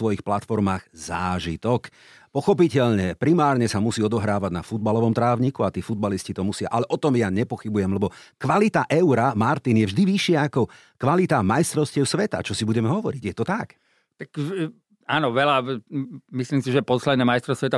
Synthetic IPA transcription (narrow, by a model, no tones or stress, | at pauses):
sʋɔjixplat̪fɔɾmaːɣzaːʒit̪ɔk | pɔxɔp̬icɛʎɲɛpɾimaːɾɲɛsamusiːɔd̪ɔɦɾaːʋaɟnafud̪̚balɔʋɔmt̪ɾaːʋɲikuat̪iːfud̪baliscit̪ɔmusɪa̰ʔalɛʔɔt̪ɔmjaɲɛpɔxibujɛmlɛbɔkʋalit̪aʔɛʊɾamaɾt̪injɛvʒd̪iʋiʃɪaakɔ | kʋalit̪amajst̪ɾɔʊscɪɛʊsʋɛt̪a̰t͡ʃɔsibuɟɛmɛɦɔʋɔɾiɟjɛt̪ɔt̪ak | t̪ak | aːnɔʋɛla | misliːmsiʒɛpɔslɛd̪nɛːmajst̪ɾɔsʋɛt̪a